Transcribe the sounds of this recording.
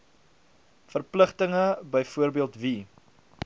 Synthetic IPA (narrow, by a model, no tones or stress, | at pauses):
fərpləχtəŋəbəjfuərbiəlˠtvi